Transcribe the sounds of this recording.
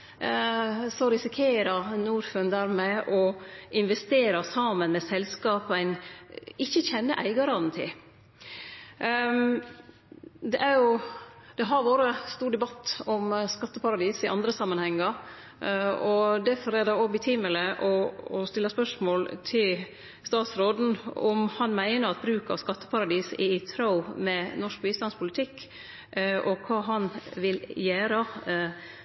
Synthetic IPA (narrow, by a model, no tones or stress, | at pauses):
sɔɾɪsɪkʰeːɾənuːɾfʉnd̪æɾmɛʔɔɪnʋɛst̪eːɾɑsɑːmənmɛsɛlskɑːpæɪnɪçːəçɛnːəʔæ̰ɪɡɑɾɑnt̪ʰɪ̰ | d̪ɛʔæɾjʊd̪̥ɛɦɑɾʋoːɾəst̪uːɖɛbɑt̪ːɔmskɑt̪ːəpɑɾɑd̪iːsɪʔɑ̰nd̪ɾəsɑmːənhɛŋːəɾ | ɔd̪æɾfɔɾɛɾd̪ɛɔbɪt̪ʰiːmələʔɔɔst̪ɪlːəspœʂmoːlt̪ʰɪl | st̪ɑːt̪sɾoːd̪n̩ɔmhɑnmæɪnəɾɑt̪̚bɾʉːkɑ̰ʋskɑt̪ːə̥pɑɾɑd̪iːsɪt̪ʰɾɑʊmɛnɔʂk̚biːst̪lɑnspʰʊlɪt̪ʰɪkː | ʔɔkʰɑːɦɑnʋɪljæːɾə